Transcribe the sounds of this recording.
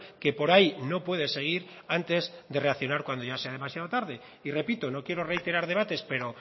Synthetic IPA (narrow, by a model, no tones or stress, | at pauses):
ke̞po̞ɾajno̞pwe̞ð̞ese̞ɣ̞iɾ | ant̪e̞zd̪e̞re̞akθjo̞naɾkwand̪oʝase̞að̞e̞masjaðot̪aɾðe̞ | ire̞pit̪o̞no̞kje̞ɾo̞re̞jt̪e̞ɾaɾðe̞β̞at̪e̞spe̞ɾo̞